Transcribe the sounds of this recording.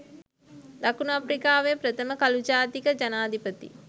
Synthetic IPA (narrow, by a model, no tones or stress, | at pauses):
d̪akunuapɾikaːʋepɾət̪əməkalud͡ʒaːt̪ikəd͡ʒanaːd̪ipət̪ḭ